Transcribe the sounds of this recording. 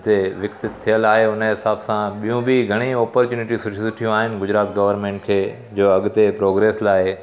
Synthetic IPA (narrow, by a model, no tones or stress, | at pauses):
t̪eʋɪksɪt̪t̪ʰːijəlaːɦeʊnəɦɪsaːbsãɓijũbɪɡʱɐɽ̃iɔːpəɾt͡ɕuːnɪʈisʊʈʰsʊʈʰijũaːɦɪnɪ̆ɡʊd͡ʑɾaːt̪ɡɐʋəɾmẽːɳʈ̚kʰeː | d͡ʑoːɐɠʊt̪epɾoːɡɾeːslaːɪ